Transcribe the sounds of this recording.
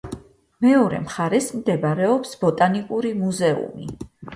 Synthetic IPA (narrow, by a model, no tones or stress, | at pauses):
mɛɔɾɛ̰mχaɾɛsmd̪ɛbaɾɛɔpsb̥ɔt̪ʼanikʼuɾimuzɛṵmi